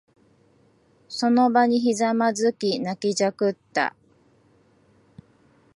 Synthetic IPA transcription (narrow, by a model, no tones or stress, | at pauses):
so̞nobaɲ̟içizamazɨkʲinakʲid͡ʑakɯ̟t̪ːa̰